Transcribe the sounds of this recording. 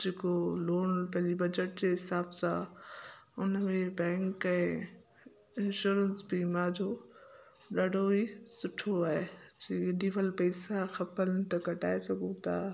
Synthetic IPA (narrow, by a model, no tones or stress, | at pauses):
d͡ʑeːkoloːɽpɐ̃ɦlibɐd͡ʑəʈ̚d͡ʑeːɦɪsaːbsã | ʊnəmẽbɛ̃ːŋkɛ̃ː | ɪnʃuːɾənsbimãːd͡ʑʱo | ɗaːɖʱoisʊʈʰoaːɦed͡ʑiːɪɗiʋəlpɛːsaxɐpəlɪt̪ɐɡʱɐʈaːesɐɡʱũt̪ʰaː